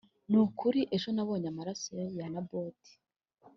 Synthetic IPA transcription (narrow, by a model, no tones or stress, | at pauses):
nukʰuɾiʔe̞ʒonaβo̞ːɲamaɾasojanaboti̥